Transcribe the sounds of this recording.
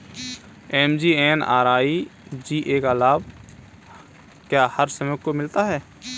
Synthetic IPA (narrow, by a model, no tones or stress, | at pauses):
ɛːmd͡ʒiːeːna̰ːɾaːid͡ʒiːʔeːkaːlaːb | kjaːhəɾsəməkomɪlt̪aɦɛː